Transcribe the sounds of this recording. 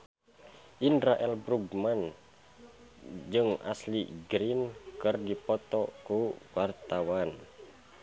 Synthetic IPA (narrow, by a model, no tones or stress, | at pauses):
ʔindɾaʔɛlbɾuɡman | d͡ʒɨŋa̰sliɡɾinkɨrdipɔt̪ɔkuwart̪awan